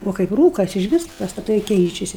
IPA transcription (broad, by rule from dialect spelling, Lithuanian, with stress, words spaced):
ˈoː kɐɪp ˈruːkɐs ɪʒʲˈʋʲɪs pɐstɐˈtɐɪ ˈkʲɛɪt͡ʃʲɛsʲɪ